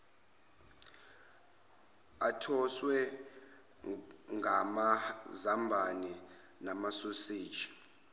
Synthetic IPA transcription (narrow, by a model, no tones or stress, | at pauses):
atʰɔswɛ | ŋʱamazambʱanɛ | namasosi̥ːt͡ʃʰʼḁ